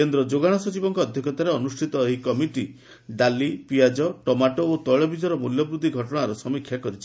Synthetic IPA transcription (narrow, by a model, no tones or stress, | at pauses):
end̪ɾɔd͡ʒoɡaɽ̃ɔsɔt͡ʃibɔŋkɔːd̪ʱjɔkɔt̪aɾeɔnusʈʰit̪ɔeɦikɔmiʈi | ɖalipiad͡ʒɔʈɔmaʈoot̪ɔjɭɔbid͡ʒɔɾɔmuljɔbɾud̪ʱːiɡʱɔʈɔɽ̃aɾɔsɔmikʰjakɔɾit͡ʃʰi